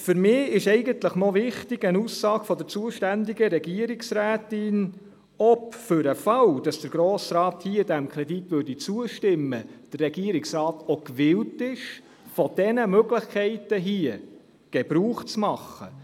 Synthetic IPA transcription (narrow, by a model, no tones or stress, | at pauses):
fʏɾmɪːɪʃɛɪɡənt̪ləχnɔvɪχtɪɡ̥ənusːɑːɡ̥fɔd̪əɾt͡suəʃtænd̪iɡəɾɛɡiəɾiksræːtɪn | ɔpfʏɾəfɑwd̥ɑsd̥̪əɾɡ̥ɾoːsɾɑːthiːdæmkʰɾɛd̪itʋʉːɾdit͡suəʃtɪmːəd̥ərːɛɡ̥iəɾɪksɾɑːtokʋɪwtɪʃ | fɔd̥ɛnəmøɡləχkʰɛɪtəɦiə | ɡ̥ɛb̥ɾuːχt͡smɑχːə̰